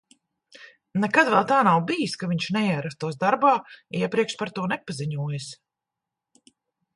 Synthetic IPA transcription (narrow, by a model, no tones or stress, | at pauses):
nɛkad̪vɛlˠt̪aːnawbijiskaviɲʃnɛɛɾast̪uɔsd̪aɾbaːiɛpɾiɛkʃpaɾt̪uɔnɛpaziɲuɔːjas